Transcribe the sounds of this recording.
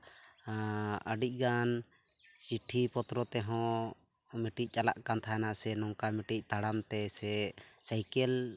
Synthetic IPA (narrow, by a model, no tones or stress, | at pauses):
əɖic̚ˀɡan | siʈʰipɔt̪ɾɔt̪ɛɦɔ̃ | miʈic̚ˀt͡ʃalaʔkant̪ʰaɛnaʔsɛnɔŋkamiʈic̚ˀt̪aɽamt̪ɛsɛsajkɛl